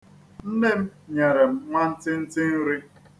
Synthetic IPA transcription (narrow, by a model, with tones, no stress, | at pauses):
n̩˦ne˦m̩˦ɲe˨ɾe˨m̩˦ŋʷa˦n̩˦tɪ˦n̩˦tɪ˦n̩˦ɾɪ˦